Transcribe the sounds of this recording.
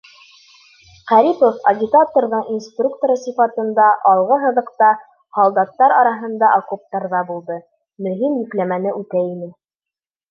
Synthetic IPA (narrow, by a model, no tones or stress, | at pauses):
qæɾipofɐɡʲɪt̪at̪oɾðɤɴinst̪ruk̚t̪oɾɤsifɑt̪ɤ̆nd̪ɑʔɑlˠʁɤɦɤ̆ðɤ̆qt̪ɑ | hɑlˠd̪ɑt̪ːɑɾɑɾɑɦɤ̆nd̪ɑʔokup̚t̪ɑɾðɑbulˠd̪ɤ | mɵ̆ɦimjiklæmænɘʔʉt̪æinɘ